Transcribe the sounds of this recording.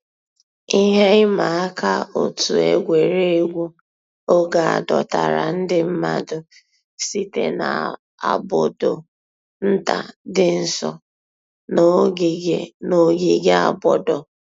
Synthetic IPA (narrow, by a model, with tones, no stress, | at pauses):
i˦ɦe˦ɪ˦ma˨a˦ka˦o̰˨tu˨ḛ˨ɡʷe˨ɾe˦e˨ɡʷu˦ | o˦ɡa˨a̰˨dɔ̰˨ta˨ɾa̰˨n̩˦dɪ˦m̩˦ma˨dʊ˦ | si˦tḛ˦na̰˨ | a̰˨bʊ˨do˨ | n̩˦ta̰˨dɪ˦n̩˨sɔ˨ | n˦ | no˨ɡi˨ɡe˦a˦˨bɔ˨dɔ˨